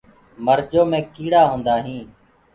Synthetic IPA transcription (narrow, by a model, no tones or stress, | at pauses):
məɾd͡ʒoːmẽːkiːɽaːɦõːnd̪aːɦĩː